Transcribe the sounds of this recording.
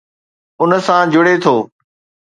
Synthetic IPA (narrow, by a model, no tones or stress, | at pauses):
ʊnəsãd͡ʑʊɽet̪ʰoː